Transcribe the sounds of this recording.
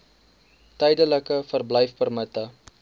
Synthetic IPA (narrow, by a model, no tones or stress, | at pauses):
təjdələkəfərbləjfbərmətə